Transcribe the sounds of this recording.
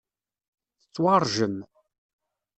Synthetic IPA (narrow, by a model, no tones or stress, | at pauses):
θət͡sːwɑɾˤʒən